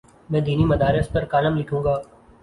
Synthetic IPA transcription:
mɛ̃ːd̪iːnimɐd̪aːɾɪs̚pɐɾkaːləmlɪkʰũːŋɡaː

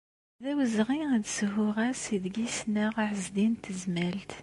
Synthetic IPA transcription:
ðæwəzʁiəd̪səɦʊʁæsiðɡisnaʁaʕəzd̪int̪əzmælt̪

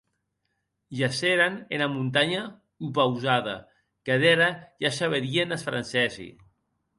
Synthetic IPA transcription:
ʒaseɾanenamunt̪aɲa | upawzaða̰ | keðɛɾaʒasaβeɾienasfɾa̰nsɛzḭ

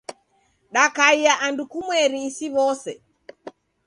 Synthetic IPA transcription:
ɗakaiaʔandukumwɛɾiːsiβɔsɛ̰

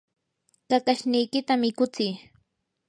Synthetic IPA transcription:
kakaʃnɪjkɪt̪amɪkʊt͡sɪj

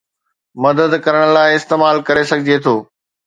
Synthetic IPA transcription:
mɐd̪əd̪kɐɾəɽ̃̆laːɪɪst̪eːmaːlkɐɾesɐɡʱɪd͡ʑet̪ʰoː

